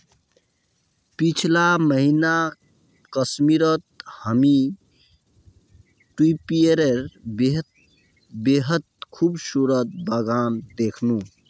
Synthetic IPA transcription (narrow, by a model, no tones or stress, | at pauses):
pit͡ʃʰlaməɦina | kəsmiɾət̪̚həmi | ʈwipieɾeɾbe | beɦət̪̚kʰubsuɾət̪̚bəɡand̪ekʰnũ